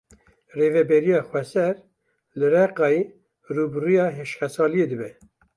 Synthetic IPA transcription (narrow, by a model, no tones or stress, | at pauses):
reːvɛbɛɾijɑːxwɛsɛɾ | lɨɾɛqɑːi | ruːbɨrujɑːɦeʃxɛsɑːlijeːd̪ɨbɛ